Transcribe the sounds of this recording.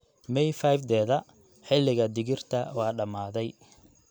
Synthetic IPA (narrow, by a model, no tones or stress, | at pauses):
mɛjfajfd̪ɛːðɐ | ħɪlɪɣɐd̪ɪɣɪrt̪ʰɐwɑːɖɐmaːðɛj